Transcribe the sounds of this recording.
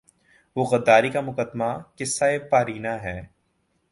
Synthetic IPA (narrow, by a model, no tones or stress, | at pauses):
ʋoːɣɐd̪ːaːɾikamʊkəd̪makɪsːaːepaːɾiːnaɦɛː